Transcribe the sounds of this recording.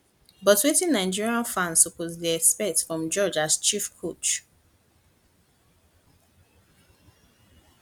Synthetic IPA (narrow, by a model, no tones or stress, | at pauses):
bɔtwetĩnːaɪd͡ʒiɹiãnfãnsɔpɔtdiɛkspɛtfɹɔ̃md͡ʒɔd͡ʒazt͡ʃifkʰot͡ʃ